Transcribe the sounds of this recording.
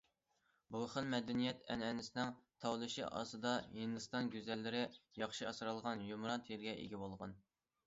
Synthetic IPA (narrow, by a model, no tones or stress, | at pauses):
bolˠχɨnmɛd̪ɛnijɛt̪ʰɛ̰nɛnɪsɪnɪŋt̪ʰɑwlˠɨʃḭʔɑ̰sɨd̪ɑɦind̪ɨst̪ɑnɡʲyzɛlːɪɾɪjɑχʃiɑsɾɑlˠʁɑnjumɾɑnt̪ʰɾɡʲɛʔḛɡʲibolˠʁɑn